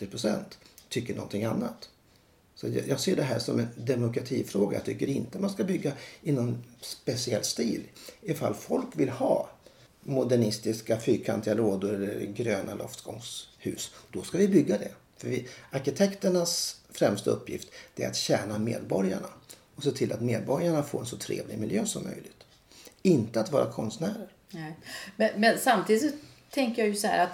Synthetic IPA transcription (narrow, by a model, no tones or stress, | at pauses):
t̪ɪpʰɾʊsɛ̰nt̪ʰːʏkːəɳɔ̰nt̪ɪŋanːat̪ | sɔat̪jjɑːɡseːɖɛɦæːʂɔmɛnd̪ɛmʊkɾat̪ʰiːfɾoːɡa̰ja̰t̪ʰʏkːəɾɪnt̪əmanskabʏɡːaɪnɔnspɛsɪɛlːst̪iːlɪfa̰lːfɔlkvɪlhɑː | mʊd̪æɳɪst̪ɪskafyːkʰant̪ɪaloːd̪ʊɾɛlːɛɾɡɾøːnʔalʔɔ̰ft̪ɡɔ̰ŋshʉ̟̰ːsd̪̥ɔskavɪbʏɡːad̪ɛ | fœvɪaɾɕɪt̪ʰɛkt̪əɳasfɾɛmst̪aɵpːjɪ̰ft̪d̪̥ɛɾa̰t̪ɕɛːnamḛːd̪bɔɾjaɳa | ɔseːt̪ʰɪlʔat̪meːd̪̚bɔɾjaɳafoːɾɛnsɔt̪ʰɾḛːvlɪɡmɪljøːsɔmːœ̰jlɪɡ̥t̪ | ɪnt̪əat̪vɑːɾakʰɔnst̪næːɾəɾ | mɛmɛnsamt̪ʰiːd̪sɔ | t̪ʰɛŋkəɾjajɵsɔhæ̰ːɾat̪